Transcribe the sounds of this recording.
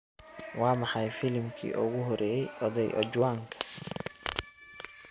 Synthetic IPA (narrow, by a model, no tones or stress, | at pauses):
wɑːmɑħɑjfɪlmkʰḭːʔʊɣʊɦɔɾɛːjɛjʔɔðɛjʔɔ̰t͡ʃwaːŋkʰɐ̥